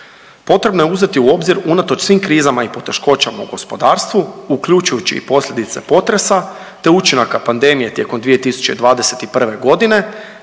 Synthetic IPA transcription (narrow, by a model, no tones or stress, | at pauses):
po̞t̪ɾe̞bno̞jeuze̞t̪iuo̞bziɾunat̪o̞t͡ʃsʋiːmkɾiːzamaipo̞t̪e̞ʃko̞t͡ɕama̰ṵɡo̞spo̞d̪aːɾst̪ʋuukʎʲuːt͡ʃujut͡ɕḭipo̞slʎʲed̪it̪se̞̰po̞t̪ɾe̞sa | t̪e̞ut͡ʃinakapand̪e̞mije̞t̪je̞ko̞md̪ʋije̞t̪isu̥t͡ɕe̞̰d̪ʋaːd̪e̞se̞t̪ipr̩ʋe̞ɡo̞d̪ine̞